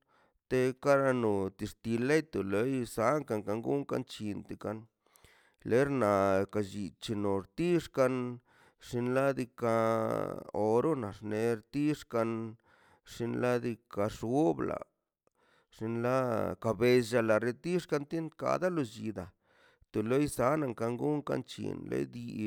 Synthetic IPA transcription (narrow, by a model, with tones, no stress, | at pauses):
t̪e˧ka˦ɾa˧no˨t̪i˧ʂt̪i˧le˦jt̪o˨le˧˦jsa˨˦ŋka˧ŋka˧ŋɡu˦ŋka̰˧nt͡ʃi˧nt̪e˨ka˧n | le˨˦ɾna˨ka˧˨d͡ʒi˨t͡ʃi˧no˨ɾt̪i˦ʂka˧n | ʂi˧nla˦d̪i˧ka˧ | o˧ɾo˦na̰˨ʂne˧ɾt̪i˦ʂka˧n | ʂi˧nla˦d̪i˧ka˧ʂɡu˦bla̰˨ | ʂi˧nla˦ka˧be˧ʒa˧la˨ɾe˧t̪i˦ʂka˧nt̪i˦nka̰˧d̪a˦lo˧d͡ʒi˧˨d̪a˨ | t̪o˨lo˦jsa˨˦na˧˨ŋka˧ŋɡu˦ŋka̰˧nt͡ʃḭ˨nlḛ˧˦d̪i˧